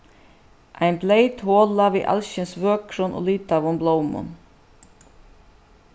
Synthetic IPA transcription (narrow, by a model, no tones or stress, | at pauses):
ʔæɪnbleɪt̪hoːlɑʋiːʔɑ̰lɕənsʋøːkʰɾʊnʔo̰ːlyːt̪ɑʋʊmbloʊmʊ̰n